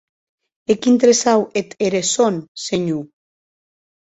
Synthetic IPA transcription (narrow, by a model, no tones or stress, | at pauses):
ekint̪ɾesawet̪eɾesonseɲu